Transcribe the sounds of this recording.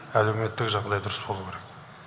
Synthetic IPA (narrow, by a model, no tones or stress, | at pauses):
æle̞wme̞t̪ːɪkʒɑʁd̪ɑjd̪ʊɾəsbo̞lˠukʲʰeɾek